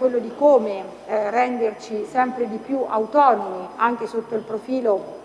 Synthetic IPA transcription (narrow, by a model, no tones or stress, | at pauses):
welːod̪ikoːme | rɛnd̪ert͡ʃisɛmpɾed̪ipjuʔa̰wt̪ɔːnomiaŋk̟esot̪ːoilpɾofiːlo